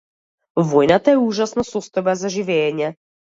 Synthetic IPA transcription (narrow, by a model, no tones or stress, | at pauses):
vojnat̪aɛuʒasnasɔst̪ɔjbazaʒivɛːɲɛ